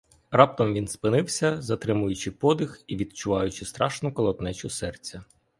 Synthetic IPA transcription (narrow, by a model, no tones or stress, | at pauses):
rɑp̚t̪ɔmʋʲinspɪnɪwsʲɐzɐt̪ɾɪmʊjʊt͡ʃɪpɔd̪ɪxiʋʲid̪̚t͡ʃʊʋɑjʊt͡ʃɪst̪ɾʔɑʃnʊkɔlˠɔt̪nɛt͡ʃʊsɛrt͡sʲːɐ